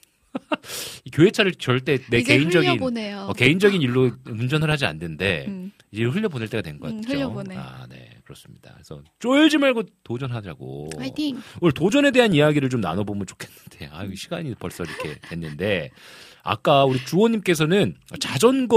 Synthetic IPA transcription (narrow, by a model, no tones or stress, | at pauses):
ikjoe̞t͡ɕʰaɾɯɭt͡ɕʌɭt͈e̞neke̞ind͡ʑʌɡinnoʌke̞ind͡ʑʌɡiniɭːomund͡ʑʌnɯɭhad͡ʑia̰nːɯnde̞̰ | id͡ʑeɸɯɭʎːʌboneɭt͈e̞ɡadwe̞nɡʌk͈atʰoa̰ne̞̰kɯɾʌs͈ɯmɲḭd̥a̰esʰʌ̰t͡ɕ͈oɭd͡ʑimaɭɡotod͡ʑʌnɦadʌɾaɡo̰ | ɯɭtod͡ʑʌne̞de̞ɦanijaɡiɾɯɭt͡ɕomna̰nʌbomɯnt͡ɕo̥kʰenːɯnd̥e̞̰a̰iɕʰiɡaɲipʌɭs͈ʌiɾʌkʰe̞̰twe̞nːɯnde̞ | a̰k͈auɾit͡ɕuʌɲːimk͈e̞s̬ʰʌnɯnʌt͡ɕad͡ʑʌnɡʌ